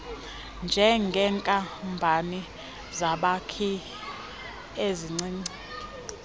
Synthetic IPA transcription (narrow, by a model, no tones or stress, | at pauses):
nd͡ʒʱɛŋɡʱɛŋkʼambʱani | zaɓakʰi | eziŋ͡ǀiːŋ͡ǀi